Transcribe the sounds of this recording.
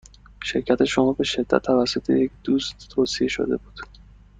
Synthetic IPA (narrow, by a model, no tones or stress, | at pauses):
ʃe̞ɾcʰæt̪ʰe̞ʃomɒːbe̞ʃe̞d̪̥ːæ̰t̪ʰːævæsːo̞t̪ʰe̞̰je̞cd̪uːst̪t̪ʰːoːsieʃo̰d̪e̞̰buːd̪̥